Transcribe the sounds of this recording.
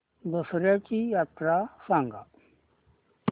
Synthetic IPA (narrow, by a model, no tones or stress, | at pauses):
d̪usɾjat͡ɕijat̪ɾasãŋɡa̰